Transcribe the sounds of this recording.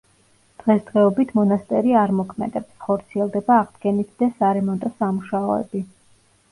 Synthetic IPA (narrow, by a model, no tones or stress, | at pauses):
d̪̥ʁɛsd̪̥ʁɛɔbit̪ʰmɔnast̪ʼɛɾiaɾmɔkʰmɛ̰d̪ɛpsχɔɾt̪sʰiɛlˠd̪ɛbaːʁd̪ɡɛnit̪ʰd̪̥asaɾɛmɔnt̪ʼɔsamuʃaɔɛ̰bi